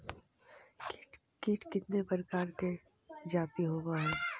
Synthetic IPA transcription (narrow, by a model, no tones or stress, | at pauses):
kʈ | kiːʈkɪt̪nepəɾkaːɾke | d͡ʒaːt̪iɦoːbaɦɛː